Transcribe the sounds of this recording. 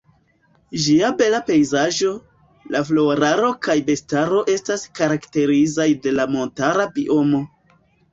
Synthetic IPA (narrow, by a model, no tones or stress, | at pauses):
ʒiabe̞lape̞jzaʒo̞ | laflo̞ɾaɾo̞kajbe̞staɾo̞ʔe̞staskaɾakte̞ɾizajde̞lamo̞ntaɾabiʔo̞mo̞